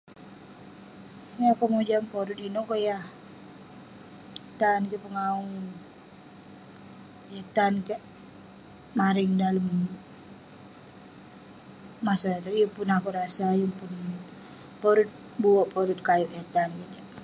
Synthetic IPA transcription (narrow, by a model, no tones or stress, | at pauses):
jakɔmod͡ʒampɔɾut̪inokojah | t̪ankɛpəŋaun | ɛt̪ankaʔ | maɾiŋdaləm | masadat̪ujuŋpunakuɾasajuŋpun | pɔɾut̪̚ | buɔʔpɔɾut̪̚kajuʔɛt̪ankit̪aʔ